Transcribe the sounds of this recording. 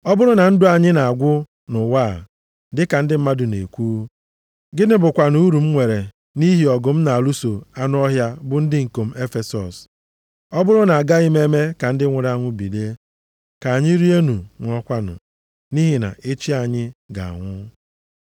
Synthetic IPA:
ɔ˦bʊ˦ɾʊ˦na˨n̩˦dʊ˦a˨ɲɪ˦na˨a˨ɡʷʊ˦ | nʊ˨waː˦˨ | dɪ˦ka˨n̩˦dɪ˦m̩˦ma˦dʊ˨nḛ˨kʷuː˦ | ɡɪ˦dɪ˦bʊ˨kʷa˨nu˦ɾu˨m̩˦ŋʷe˨ɾe˨ | ni˦ɦi˨ɔ˨ɡʊ˨m̩˦na˨a˨lu˦so˨a˦nʊ˦ɔ˦ɦja˦bʊ˦n̩˦dɪ˦ŋ̩˨ko˨m̩˦ʔe˦fe˨sɔ̰˨s | ɔ˦bʊ˦ɾʊ˦na˨a˨ɡa˦i˦me˦me˦ka˨n̩˦dɪ˦ŋʷʊ˨ɾa˦˨ŋʷʊ˦bi˨le˦ | ka˨a˨ɲɪ˦ɾi˦e˦nu˨ŋʷ˨ɔ˦kʷa˦nʊ̰˨ | ni˦ɦi˦na̰˨e˦t͡ʃi˦a˨ɲɪ˦ɡa̰˨a̰˨ŋʷʊ˦

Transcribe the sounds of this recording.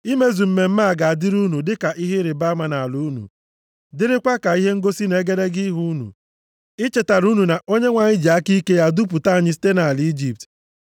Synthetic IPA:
i˦me˦zu˨m̩˦me˨m̩˦ma˦a˨ɡa˨a˨dɪ˦ɾu˦nu˨dɪ˦ka˨ʔi˦ɦe˦ɾɪ˨ba˦ma˨na˨a˨lu˨˦nṵ˨ | dɪ˦ɾɪ˦kʷa˦ka˨i˦ɦe˦ŋ̩˦ɡo˦si˦ne˨˦ɡe˦ɾe˦ɡɪ˦ɦu˦nṵ˨ | ɪ˦t͡ʃe˨ta˨ɾu˦nu˨na˨ʔo˦ɲe˦ŋʷa˨ɲɪ˦d͡ʒi˨a˦ki˦ke˦ja˦du˦p̬ʊ˨ta˦˨ɲɪ˦s̬i̥˦te˦na˨a˨li˦d͡ʒi˨p̚t

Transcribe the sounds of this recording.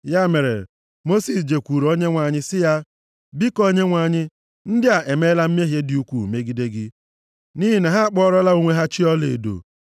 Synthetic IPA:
ja˦me˨ɾḛ˨ | mo˦si˨sd͡ʒe˨kʷu˨ɾo˦ɲe˦ŋʷa˨ɲɪ˦sɪ˦ja˦ | bi˦ko˦ɲe˦ŋʷa˨ɲɪ˦ | n̩˦dɪ˦a˨ʔe˨me˦la˦m̩˦me˦ɦje˦dɪ˨u˦kʷu˨me˦ɡi˦de˦ɡɪ˦ | ni˦ɦi˦na˨ɦa˦a˦˨k͡pɔ˦ɾɔ˦la˦o˨ŋʷe˦ɦa˦t͡ʃi˦ɔ˦lḛ˨do̰˨

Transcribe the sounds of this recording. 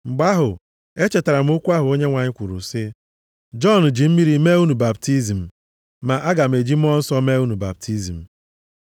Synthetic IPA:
ŋ͡m̩˨ɡ͡ba˦ɦʊ˨ | e˦t͡ʃe˨ta˨ɾa˨m̩˦o˦kʷu˦a˦ɦʊ˨o˦ɲe˦ŋʷa˨ɲɪ˦kʷʊ˨ɾʊ̰˨sɪ˦ | d͡ʒɔ˦n̩˨d͡ʒi˨m̩˦mi˦ɾi˨me˦u˦nu˨ba˨p̚ti˦zi˨m̩˨ | ma˨ʔa˦ɡa˨m̩˨e˨d͡ʒi˦m̩˦ɔ˦n̩˦sɔ˦me˦u˦nu˨ba˨p̚tʰi˦zi˨m̩˨

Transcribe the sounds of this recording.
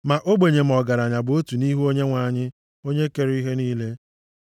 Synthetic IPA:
ma˨ʔo˦ɡ͡be˨ɲe˨m̩˨ɔ˨ɡa˨ɾa˨ɲa˨bʊ˨o˦tu˨ni˦ɦu˦o˦ɲe˦ŋʷa˨˦˨ɲɪ˦ | o˦ɲe˦ke˦ɾi˦ɦe˦niː˦le˦

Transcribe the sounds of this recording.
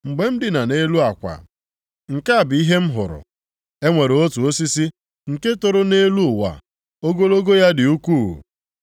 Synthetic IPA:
ŋ͡m̩˨ɡ͡be˨m̩˦dɪ˨na˨ne˦lu˦a˨kʷa̰˨ | ŋ̩˨ka˦a˨bɪ˨i˦ɦe˦m̩˦ɦʊ̰˨ɾʊ̰˨ | e˦ŋʷe˨ɾe˨o˦tu˨o˦si˦si˦ | ŋ̩˨ke˦tʊ˦ɾʊ˦ne˦lu˦˨wa̰˨ | o˦ɡo˦lo˦ɡo˦ja˦dɪ˨u˦kuː˦˨

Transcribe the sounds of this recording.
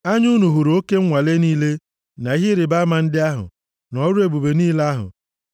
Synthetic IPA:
a˦ɲu˦nu˨ɦu˨ɾo˦ke˦ŋ̩˦ŋʷa˨le˦niː˦le˦ | na˨i˦ɦɪ˦ɾɪ˨ba˦ma˨n̩˦dɪ˦a˦ɦʊ̰˨ | nɔ˨˦ɾu˦e˨bu˨be˨niː˦la˦ɦʊ̰˨

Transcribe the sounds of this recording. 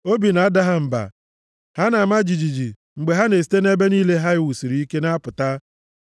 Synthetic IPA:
o˦bi˨na˨a˦da˦ɦa˦m̩˨ba̰˨ | ha˦na˨ma˦d͡ʒi˨d͡ʒi˨d͡ʒi˨ | ŋ͡m̩˨ɡ͡be˨ɦa˦ne˨si̥˨te˦ne˦be˦niː˦le˦ɦa˦ɪ˦wu˨si˨ɾi˨i˦ke˦na˦pʊ˨ta˦

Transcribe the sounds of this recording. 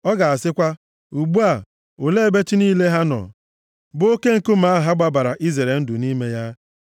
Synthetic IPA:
ɔ˦ɡa˨a˨sɪ˦kʷa˦ | u˨ɡ͡bu˦a˨ | o˨le˦˨be˦t͡ʃi˦niː˦le˦ɦa˦nɔ̰˨ | bʊ˦o˦ke˦ŋ̩˨ku˦m̩˦a˦a˦ɦa˦ɡ͡ba˦ba˨ɾa˨ʔi˦ze˨e˨ln̩˦dʊ˨ni˦me˦ja˦

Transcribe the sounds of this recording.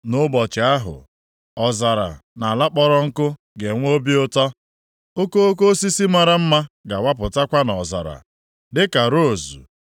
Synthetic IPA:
nʊ˦bɔ˨t͡ʃɪ˨a˦ɦʊ̰˨ | ɔ˨za˨ɾa̰˨na˨la˦k͡pɔ˦ɾɔ˦ŋ̩˦kʊ˦ | ɡe˨ŋʷo˦bi˦ʊ˦tɔ˦ | o˦ko˦o˦k̬o˦si˦si˦ma˨ɾa˦m̩˦ma˦ɡa˨wa˦p̬ʊ˨ta˦kʷa˦nɔ˨za̰˨ɾa̰˨ | dɪ˦ka˨ɾo˦˨zṵ˨

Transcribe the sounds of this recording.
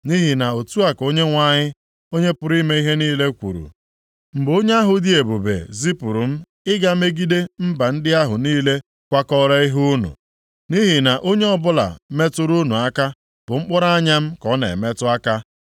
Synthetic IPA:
ni˦ɦi˨na˨o˨tu˦a˨ko˦ɲe˦ŋʷa˦ɲɪ˦ | o˦ɲe˦pʊ˦ɾi˦me˦i˦ɦe˦niː˦le˦kʷṵ˨ɾṵ˨ | m̩˨bo˦ɲe˦a˦ɦʊ˨di˦e˨bo˨bḛ˨zi˦pʊ˨ɾu˨m̩˦ | ɪ˦ɡa˦me˦ɡi˦de˦m̩˦ba˨n̩˦dɪ˦a˦ɦʊ̰˨niː˦le˦ | kʷa˦kɔ˦ɾa˦i˦ɦu˦nṵ˨ | ni˦ɦi˨na˨ʔo˦ɲe˦ɔ˦bʊ˦la̰˨me˦tʊ˦ɾu˦nu˨a˦ka˦ | bʊ˨ŋ͡m̩˦k͡pʊ˦ɾa˦a˦ɲa˦m̩˦kɔ˨˦nḛ˨me˦tʊ˦a˦ka˦

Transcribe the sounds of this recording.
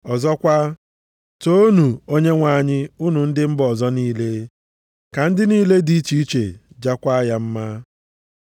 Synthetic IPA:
ɔ˨zɔ˦kʷa˦ | to˦nu˨o˦ɲe˦ŋʷa˨ɲɪ˦u˦nu˨n̩˦dɪ˦m̩˦bɔ˨zɔ˦niː˦le˦ | ka˨n̩˦dɪ˦niː˦le˦di˦t͡ʃi˦i˦t͡ʃḛ˨d͡ʒa˦kʷa˦ja˦m̩˦ma˦

